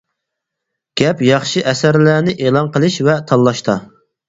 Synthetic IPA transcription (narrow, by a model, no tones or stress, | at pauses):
ɡ̥ʲɛpjɑχʃɨʔɛsæɾlænɪʔeːlˠɑnqəlˠɨʃvɛt̪ʰɑlˠːɑʃt̪ɑ